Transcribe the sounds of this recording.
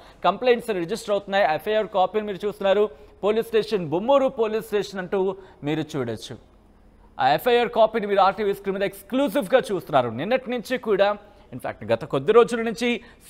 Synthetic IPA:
kɐmpleːɳʈsɐuɾed͡ʒisʈɐɾɐwt̪unːaːjaːepʰːɐjɐɾkaːpiːnimiːɾut͡ʃuːst̪unːaːɾupo̞ːliːsʈeːʂɐnbumːuːɾupo̞ːliːsʈeːʂɐnɐɳʈuːmiːɾut͡ʃuːɽɐt͡ʃːṵ | a̰ːepʰːɐjɐɾkaːpiːnimiːɾuaːɾʈiʋiskɾiːmd̪ɐekskluːs̬ibɡaːt͡ʃuːst̪unːaːɾuninːɐʈinuɲt͡ʃikuːɽaː | inpʰa̰ːk̚ʈɡɐt̪ɐkod̪ːiɾo̞ːd͡ʒulɐnuɲt͡ʃis

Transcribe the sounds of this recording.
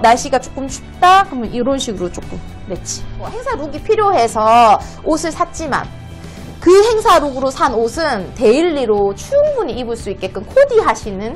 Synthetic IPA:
naɕ͈iɡat͡ɕ͈ok͈ɯmt͡ɕʰu̥p̚t͈akɯmjʌnʔiɾʌnɕʰiɡɯɾot͡ɕ͈ok͈ɯm | et̚t͡ɕ͈i̥mʌheŋsʰaɾuɡipʰiɾjoɦe̞sʰʌ | osʰɯɭsʰat͡ɕ͈ima̰n | kɯɦe̞ŋsʰaɾuɡɯɾosʰanosʰɯnte̞iɭːiɾot͡ɕʰujuŋbuɲiːbɯɭs͈uit̚k͈e̞k͈ɯnkʰodiɦaɕʰinɯn

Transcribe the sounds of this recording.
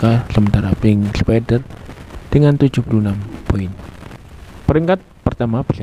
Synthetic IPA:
kasəmənt̪aɾapɪŋspɛdərd̪̥əŋant̪u̥ʒ̥ṳpulunampoɪn | pəɾiŋkat̪̚pərt̪amab̥i̥sa

